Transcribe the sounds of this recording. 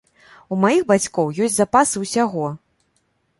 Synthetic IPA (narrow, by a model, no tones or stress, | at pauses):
umajiɣbat͡sʲkɔwjɔsʲtʲzapasɨuwsʲaɣɔ